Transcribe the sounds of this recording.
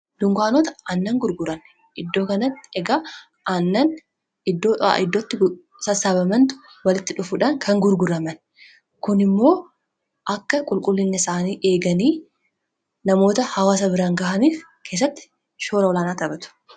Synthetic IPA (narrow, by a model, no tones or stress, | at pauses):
d̪̥ʊŋɡʷaːnoːt̪ɐʔɐnːɐŋɡʊɾɡʊɾɐn | ʔɪd̪ːo̞ːkɐnɐt̪ːɪ̥ɛɡa | ʔɐnːɐn | ɪd̪ːo̞ːa̰ʔɪd̪ːot̪ːɪ | sɐsaːbɐmɐnt̪ʊ̥ | wɐlɪt̪ːɪᶑʊfʊᶑɐŋkʰɐŋɡʊɾɡʊɾɐmɐn | kʊnɪmːo̞ː | ʔɐkːɐkʼʊlkʼʊlːɪnːɪsaːniːʔeːɡɐniː | nɐmo̞ːt̪ɐhɐwaːs̬ɐbɪɾaːŋɡɐːhɐniːf | kʰe̞ːs̬ːɐt̪ːɪ̥ | ʃoːɾɐwɔlaːnaːt̪ɐbɐt̪ʊ̥